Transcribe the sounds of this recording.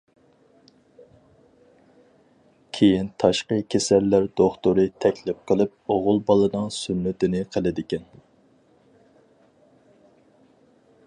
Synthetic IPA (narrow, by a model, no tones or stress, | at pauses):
kʲʰejint̪ʰɑʃqəkʲʰesælːæɾd̪oχt̪oɾɨt̪ʰɛkʲlɪp̚qʰəlˠɨp̚oʁʊlˠbɑlˠɨnɨŋsynːɪt̪ɪnɪqʰəlˠɪd̪ɪkʲɛn